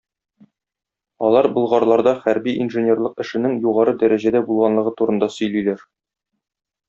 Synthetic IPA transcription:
ɒlˠɑɾbɤ̆lˠʁɑɾlˠɑɾd̪ɑχæɾbiinʒɘ̆nʲerlˠɤqɘ̆ʃɘ̆nɘŋjuʁɑɾɤd̪æɾæʑæd̪æbulˠʁɑnlˠɤ̆ʁɤt̪uɾɤ̆nd̪ɑsɵ̆jlijlæɾ

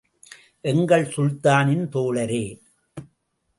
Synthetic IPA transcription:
ʔɛŋɡɐɭsʊɻt̪aːnɪnt̪oːɭɐɾeː

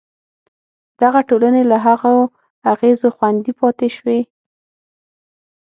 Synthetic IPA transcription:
d̪̥aɣaʈolanelaɦaɣo | aɣezoxwand̪ipɑt̪eʃwe

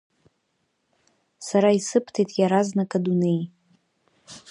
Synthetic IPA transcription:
saɾaisɨpʰtʰejtʼjaɾaznakʼadune̞j

